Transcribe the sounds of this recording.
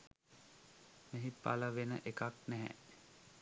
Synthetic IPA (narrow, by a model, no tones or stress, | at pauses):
meɦipːa̰ləʋenə̰ʔekaknɛɦɛ̰